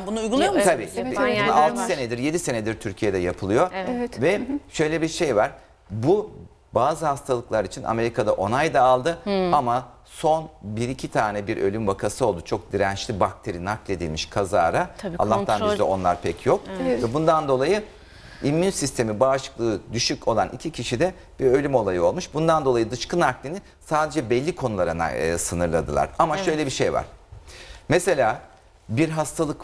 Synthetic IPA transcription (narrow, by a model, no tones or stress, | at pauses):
bunuujɡulˠujomt̪ʰabiːalˠt̪ʰɯse̞nɛd̪iɾje̞d̪ise̞nɛd̪iɾt̪ʰyɾcʰije̞d̪ɛjapʰɯlˠɯjo̞vɛʃø̞jlʲɛbiɾʃe̞jvaɾ̥ | bu | baːzɯhast̪ʰalˠɯklˠaɾit͡ʃʰina̰me̞ɾikad̪aʔo̞najd̪aːlˠd̪ɯama | so̞nbiɾicʰit̪ʰaːnɛbiɾʔø̞̰lʲymbakʰasɯo̞lˠd̪ut͡ʃʰo̞k̚d̪iɾænt͡ʃlʲibak̚t̪ʰe̞ɾinaklʲe̞d̪ilʲmiʃkʰaza̰ːɾaa̰lːaht̪anlɛ̰o̞̰nlˠa̰ɾpʰɛcʰjo̞k̚vɛbund̪and̪o̞lˠajɯ | imːynsist̪ʰe̞mibaːʃɯ̥klˠɯːd̪yʃyco̞lˠa̰nʔḭcʰicʰiʃid̪ɛ | b̥iɾø̞lʲymo̞lˠajɯo̞lˠmuʃbund̪and̪o̞lˠajɯd̪ɯʃkɯnaklʲini | saːd̪e̞d͡ʒɛbɛlʲːikʰonulˠaɾana̰sɯnɯɾlˠa̰d̪ɯ̰lˠa̰ɾamaʃø̞jlʲebiʃejva̰ɾ̥ | mese̞lʲaː | biɾɦast̪ʰalˠɯk